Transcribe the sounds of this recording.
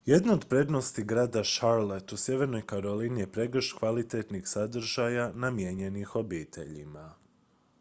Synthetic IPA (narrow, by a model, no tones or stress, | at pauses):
je̞d̪naod̪pɾe̞d̪no̞st̪iɡɾaːd̪aʃaɾle̞t̪usʲje̞ʋeɾno̞jkaɾo̞linijepɾe̞ɡr̩ʃkʋalit̪e̞t̪nixsad̪r̩ʒajanamjeɲe̞nixo̞biːt̪ʰe̞̰ʎḭma